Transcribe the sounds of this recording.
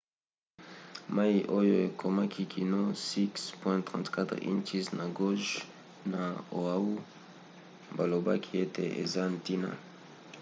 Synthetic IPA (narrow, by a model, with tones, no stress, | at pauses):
ma˦iʔo˦jo˨e˨kʰo˨ma˦kʰi˨kʰi˨no˦si˦kspwɛ̃t̪χɑ̃˨ntka˦t̪χḭ̃˦nt͡ʃi˦sna˨ɡo˦ʒ | na˨o˨a˦u˦ | mba˨lo˨ba̰˦kʰi˨e˦tḛ˨ʔḛ˨za˦nti˦na̰˨